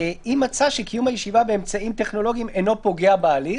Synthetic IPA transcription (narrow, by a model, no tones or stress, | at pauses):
imat͡saʃekijumhajeʃivabeːmt͡saimt̪e̞χno̞lo̞ɡiimeno̞po̞ɡeabaːli